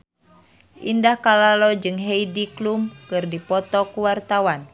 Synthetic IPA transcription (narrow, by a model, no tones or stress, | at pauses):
ʔḭndahkalalɔd͡ʒɨŋɦeidiklumkɨrdipɔt̪ɔkuwart̪awan